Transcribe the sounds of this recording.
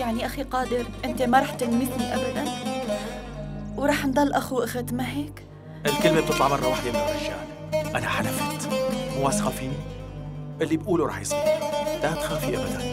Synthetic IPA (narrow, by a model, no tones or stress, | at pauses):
jaʕniʔaxiqɑːd̪ɪɾʔɪnt̪emaɾˤɑːħt̪ɪlmit̪niʔabad̪an | wɾˤɑːħnd̪ˤɑlːʔaxuʔaxat̪maɦeːk | ʔɪlkɪlmeb̚t̪ɨt̪ˤːɑʕmɑrˤːɑwaːħd̪emɪnʔaʃa̰ːl | ʔanaħalafiːt̪mʊwaːsqafiːni | ʔɪlːibʔuːluɾˤɑ̰ːħjɪsˤɑlat̪xaːfiʔabad̪an